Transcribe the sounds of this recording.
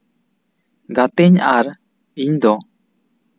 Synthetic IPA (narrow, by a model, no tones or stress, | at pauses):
ɡat̪ɛɲaɾ | iɲd̪ɔ